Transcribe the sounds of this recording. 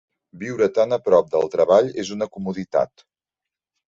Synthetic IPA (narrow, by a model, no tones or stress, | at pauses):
biwɾət̪anəpɾɔp̚d̪əlˠt̪ɾəβaʎezunəkumuðit̪a̰t̪